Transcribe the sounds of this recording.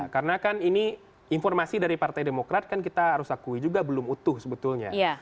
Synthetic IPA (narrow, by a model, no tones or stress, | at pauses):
kaɾənakanini | infɔrmasidaɾipart̪ajdemokɾat̪̚kankit̪aaɾʊsakuid͡ʒuɡabəlʊmut̪ʊhsəbət̪ʊlɲa̰ja